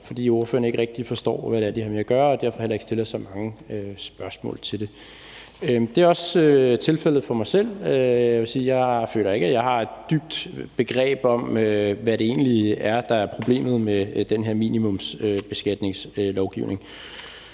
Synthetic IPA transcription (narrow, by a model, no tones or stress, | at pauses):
fɒ̽d̥ḭːo̝ɐfø̰ɐnəe̝ɡ̥ʁɛɡ̥̚d̥ifɒ̽sd̥ɒ̰ːʋæɾ̥eæɐd̥ihɑ̈meɐæɡ̥ɶɐɒ̽d̥æɐfɒ̽hel̰ɐeɡ̥sd̥e̝lɐjsɑ̈ɪmɑ̈ŋəøsb̥ɶɐsmɔ̰̽ːlt͡sʰe̝lde̝ | d̥e̝æɐɒ̽søt͡sʰe̝lfel̰ð̞̩ˠfɒ̽mɑ̈ɪsel̰øjɑɪʋe̝siːjɑ̈ɪfø̰ːlɐe̝ɡ̥æjɑ̈ɪhɑ̈e̝d̥d̥yb̥̚d̥b̥e̝ɡ̥ʁɛ̰ːb̥ɒ̽møʋæɾe̝e̝̰ːnliæɐd̥ɑ̈æɐpʰʁo̝b̥le̝̰ːmð̞̩ˠmed̥enɦeɐ̰mḭːnimɔ̽msøb̥e̝sɡ̥æd̥ne̝ŋsølɒʊɡ̥ḭʊne̝ŋ